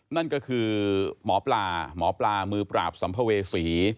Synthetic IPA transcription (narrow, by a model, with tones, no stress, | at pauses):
na˥˩nkɔː˥˩kʰɯː˧mɔː˩˦plaː˧mɔː˩˦plaː˧mɯː˧pɾa̰ː˨˩p̚sa˩˦mpʰa˧weː˧siː˩˦